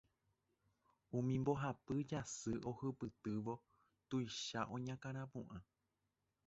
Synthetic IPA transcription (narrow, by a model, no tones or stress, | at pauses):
ũmĩmbo̞ɦapɨd͡ʒasɨʔo̞hɨpɨt̪ɨʋo̞ | t̪ujʃaʔõ̞ɲãkãɾ̃ãpũʔã